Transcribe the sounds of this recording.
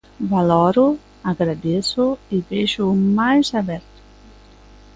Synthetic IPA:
valɔɾʊ | aɡɾad̪esʊɪbeʒʊmajzaβɛɾt̪ʊ̥

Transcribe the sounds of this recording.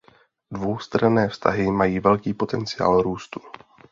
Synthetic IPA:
dvo̞wst̪ɾanɛːfst̪a̰ɦɪmajiːvɛlkiːpo̞t̪ɛnt͡sɪja̰ːlɾuːst̪u̥

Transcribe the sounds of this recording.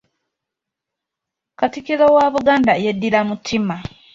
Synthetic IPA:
katikizowaβuɡaːndajedːilamutʰːima

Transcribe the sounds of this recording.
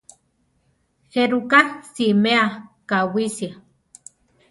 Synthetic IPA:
xeɾukasimeakawisia

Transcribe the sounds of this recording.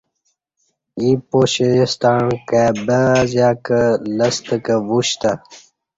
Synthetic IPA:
ipoɕest̪aɳkabəzjaːkələst̪əkəʋuɕt̪a

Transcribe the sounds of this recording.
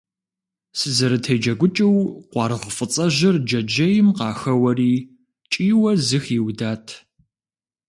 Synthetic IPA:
sɨzɨɾɨtʰɐjd͡ʒɐɡʷʊt͡ʃʼɪwqʷɑːɾɨʁfʼət͡sʼɐʒɪrd͡ʒɐd͡ʒɐjɪmqɑːxɐwɐriː | t͡ʃʼiːwɐzɨxiwdaːtʰ

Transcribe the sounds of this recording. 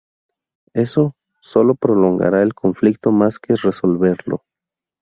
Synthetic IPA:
eso | solopɾoloŋɡa̰ɾaelkʰoɱflik̚t̪omaskeresolβeɾlo̰

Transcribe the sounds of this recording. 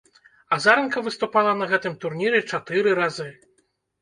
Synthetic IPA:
azaɾɛnkɐvɨst̪upalˠɐnɐɣɛt̪ɨmt̪urnʲiɾɛt͡ʂat̪ɨɾɨɾazɨ

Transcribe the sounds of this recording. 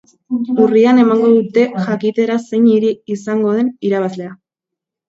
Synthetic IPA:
uriane̞maŋɡo̞ðut̪e̞ʝakit̪e̞ɾase̞ɲiɾiːsaŋɡo̞ð̞e̞niɾaβazle̞a

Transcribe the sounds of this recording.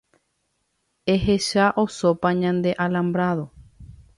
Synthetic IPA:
e̞ɦe̞ʃaʔo̞so̞paɲãnd̪e̞ʔalãmbɾaðo̞

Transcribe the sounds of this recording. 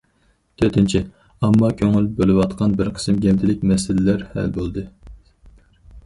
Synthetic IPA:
t̪ʰøɾt̪ʰɪnt͡ʃʰi | ɑmːɑkʲʰøŋylbølɨwɑt̪qʰɑnbɪɾqʰə̥sɨmɡʲɛvd̪ʰɪlɪk̚ʲmɛsɪlɪlæɾhæ̰lbolˠd̪ɨ

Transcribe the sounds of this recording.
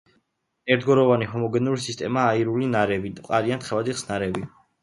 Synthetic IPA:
ɛɾtd̪ɡɔɾɔvaniɦɔmɔɡɛnulisist̪ʼɛmaːiɾulinaɾɛbid̪qʼaɾiant̪χɛvad̪iχsnaɾɛbi

